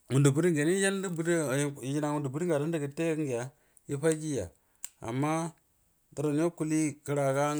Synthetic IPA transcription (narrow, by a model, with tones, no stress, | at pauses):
mu˨ndu˨bu˦ɾi˦ŋɡe˨n˦ja˦n˦di˦bu˦ɾji˦na˨wu˨ndu˨bu˦ɾi˦ŋɡa˨ɾa˦n˦də˦kə˨te˦kŋɡi˨ja˨ | ji˦ɸa˦ki˦ja̰˨ | a̰˨mːa˦ | da˨ɾo˨n˦o˦ku˦li˦˨kə˨ɾa˨ka˦